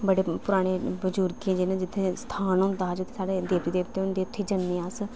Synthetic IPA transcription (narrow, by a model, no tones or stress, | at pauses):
bəɽeːpʊɾaːɽ̃eːbəd͡ʒuːɾkẽːd͡ʒeːnẽd͡ʒɪt̪ʰːeːst̪ʰaːnõːd̪aːd͡ʒʊt̪ʰːeːsaːɽeːd̪eːʋt̪iːd̪eːʋt̪eːʊnd̪eːʊt̪ʰːeːd͡ʒənːẽːaːs